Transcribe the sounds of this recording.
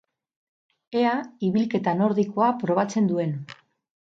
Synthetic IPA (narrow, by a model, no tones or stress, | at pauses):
e̞aiβilke̞t̪ano̞ɾðiko̞apɾo̞βat͡se̞nd̪ue̞n